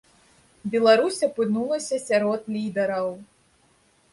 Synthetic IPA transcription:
bʲɛlˠaɾusʲɐpɨnulˠɐsʲɐsʲaɾɔt̪lʲid̪ɛɾɐw

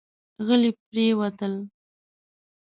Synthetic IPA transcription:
ɣəlip̚ɾewat̪əl

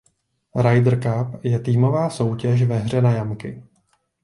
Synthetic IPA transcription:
ɾajdr̩kapjɛt̪iːmo̞vaːso̞wcɛʒ̬vɛɦr̝ɛnajamkɪ

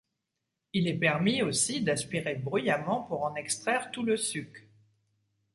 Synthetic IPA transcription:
ilɛpɛʁmiosid̪aspiʁebʁyjamɑ̃puʁɑ̃nɛkst̪χɛʁt̪uləsyk

